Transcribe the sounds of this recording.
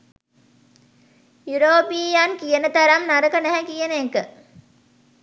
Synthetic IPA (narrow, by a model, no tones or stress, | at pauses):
juɾoːpijankijenət̪ɐɾɐmnaɾəkɐnæɦɛkijenekə